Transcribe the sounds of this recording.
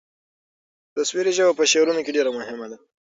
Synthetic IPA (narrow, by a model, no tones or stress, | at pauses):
t̪aswiɾeʒabapəʃeɾunokeɖeɾamʊhɪmad̪a